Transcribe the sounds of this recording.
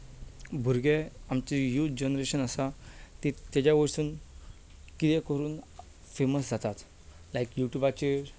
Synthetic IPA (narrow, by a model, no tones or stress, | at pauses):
bʱuɾɡeamt͡ɕejuːt̪d͡ʑənɾeɕənəsat̪it̪ːad͡ʑjaʋəɾsuːn | kit̪ɛ̃kəɾuːn | feməsd͡zʱat̪at̪ | lajkjuʈjubat͡ɕe